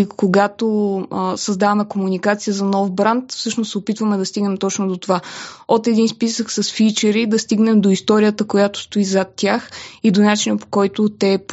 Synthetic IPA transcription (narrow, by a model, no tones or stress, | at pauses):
koɡat̪osɐzd̪avɐmɛkomunikat̪sijəzɐnɔfbɾant̪fsɤʃnosɛopit̪vəmɛd̪ɐst̪iɡnɛmt̪ɔt͡ʃnod̪ot̪ovaot̪ɛd̪inspisəksɐsfit͡ʃɛɾid̪ɐst̪iɡnɛmd̪oist̪ɔɾijət̪əkojat̪ʊ̥st̪oizat̪ʲːjaxid̪onat͡ʃinəpo̥kɔjt̪ʊt̪ɛp